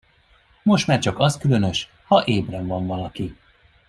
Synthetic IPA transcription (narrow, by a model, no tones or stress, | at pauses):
mo̞ʃt̪maːrt͡ʃɒkɒskylø̞nø̞ʃ | hɒʔeːbrɛɱvɒɱvɒlɒki